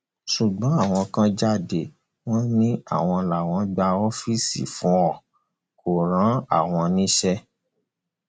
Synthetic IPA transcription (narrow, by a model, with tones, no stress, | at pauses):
ʃu˨ɡ͡bɔ̃˨˦a˦˨w̃ɔ̃˧kã˦d͡ʒa˦˨de˨ | w̃ɔ̃˦nĩ˦a̰˦˨w̃ɔ̃˧la˨w̃ɔ̃˨˦ɡ͡ba˧ɔ˦fi˦˨sḭ˨fũ˨˦ɔ˦˨ | ko˨ɾã˨˦a̰˦˨w̃ɔ̃˧nĩ˦ʃɛ˦